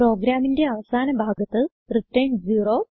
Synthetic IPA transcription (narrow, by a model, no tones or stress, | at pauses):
ro̞ːɡɾaːminde̞ɐʋɐsaːnɐbʱaːɡɐt̪ːɨ | riʈːɐjɳɖd͡ʑiːroː